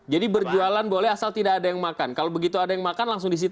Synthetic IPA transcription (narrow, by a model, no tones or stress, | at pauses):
d͡ʒadibərd͡ʒualanbolɛɦasalt̪idakːdajaŋmakankalobəɡit̪uadajaŋmakanlaŋs̬ʊŋdis̬it̪